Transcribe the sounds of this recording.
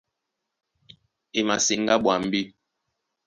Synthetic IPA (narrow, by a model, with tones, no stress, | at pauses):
e˨ma˨si˨ŋ˦ɡa˦ɓwa˨m̩˦bi˦